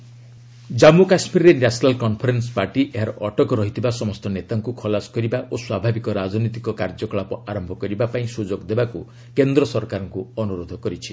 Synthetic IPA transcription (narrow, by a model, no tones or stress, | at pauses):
d͡ʒamukasmiɾɾenasɔnalkɔnpʰɔɾenspaɾʈiʔeɦaɾɔʔɔʈɔkɔɾɔɦit̪ʰibasɔmɔst̪ɔnet̪aŋkukʰɔlasɔ̥kɔɾibaʔoswabʱabikɔɾad͡ʒɔnɔt̪ikɔkaɾd͡ʒɔkɔɭapɔaɾɔmbʱɔkɔɾibapaĩsud͡ʒoɡd̪ebaku | kend̪ɾɔsɔɾkaɾɔŋkuɔnuɾod̪ʱɔkɔɾit͡ʃʰi̥